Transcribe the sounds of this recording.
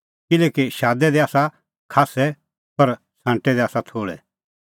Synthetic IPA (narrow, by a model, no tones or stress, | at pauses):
kɪlɛːkiʃaːd̪ɛd̪ɛaːsa | kʰaːsɛ | pɐɾ | sãːɳʈɛd̪ɛaːsat̪ʰoːɽɛ̰